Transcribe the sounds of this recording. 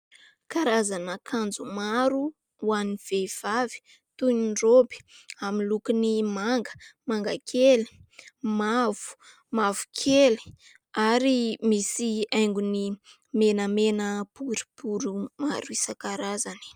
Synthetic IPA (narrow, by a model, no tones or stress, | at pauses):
kaɾazanəkʰand͡zumaɾu | waniv̥ev̥avi̥ | t̪uniɳrobi̥aminlukinimaŋɡə̥maŋɡakʰeli̥mav̥u̥ | mavu̥kʰeli̥ | aɾimisiajŋɡuni | menəmenəpuɾi̥puɾuma̰ɾuisəkaɾazani̥